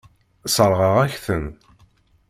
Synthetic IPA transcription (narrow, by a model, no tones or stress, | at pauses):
səɾˤʁəʁæçθən